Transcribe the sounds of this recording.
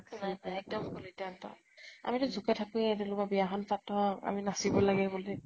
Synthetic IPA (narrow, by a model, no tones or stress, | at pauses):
naaɛk̚dɔmxɔkɔlitantɔ̰ | a̰mitʊzʱukatʰakuɛtɛlʊkabiaxɔnpatːɔa̰minasibɔlaɡɛbolɛ